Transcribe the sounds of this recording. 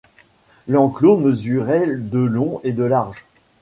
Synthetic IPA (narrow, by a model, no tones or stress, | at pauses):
lɑ̃kloməzyʁɛd̪əlɔ̃ed̪əlaʁʒ